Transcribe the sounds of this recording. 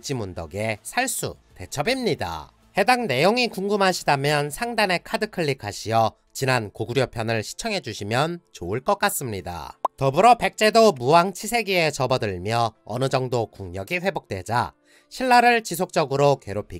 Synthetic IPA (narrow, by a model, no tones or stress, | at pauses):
t͡ɕ͈imundʌɡe̞sʰaɭs͈ṵ | te̞t͡ɕʰʌbimɲida̰ | he̞daŋne̞joŋikuŋɡumɦaɕʰidamjʌnsʰaŋdane̞kʰadɯkʰɯɭːikʰaɕʰijʌ | t͡ɕinankoɡuɾjopʰjʌnɯɭɕʰi̥t͡ɕʰʌŋɦe̞d͡ʑuɕʰimjʌnt͡ɕoɯɭk͈ʌk͈as͈ɯmɲida̰tʌbɯɾʌpe̞k̚t͡ɕ͈e̞domuwaŋt͡ɕʰisʰe̞ɡie̞t͡ɕʌbʌdɯɭmjʌʌ̰nɯd͡ʑʌŋdokuŋɲʌɡiɸwe̞bok̚t͈we̞̰d͡ʑa̰ | ɕʰiɭːaɾɯɭt͡ɕis̬ʰok̚t͡ɕ͈ʌɡɯɾoke̞ɾopʰi